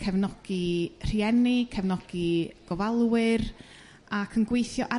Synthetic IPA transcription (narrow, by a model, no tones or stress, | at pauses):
kʰɛvnɔɡ̥ir̥iɛnikʰɛvnɔɡ̥iɡ̥ɔvalˠwɨr | akʰənɡwejθjɔʔa